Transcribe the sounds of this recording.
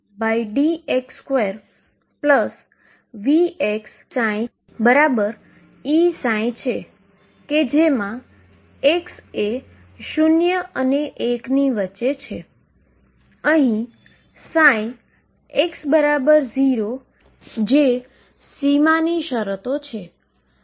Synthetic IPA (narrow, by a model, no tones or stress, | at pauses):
baiɖiekskʋeɾ | pləs | ʋieks | sãj̃ | bəɾabəɾ | isãj̃t͡ʃʰe | ked͡ʒemã | ekse | ʃunjəəneʔekniʋətːʃet͡ʃʰe | əɦĩ | saĩ | eksbəɾabəɾziɾo | d͡ʒe | simaniʃəɾət̪ot͡ʃʰe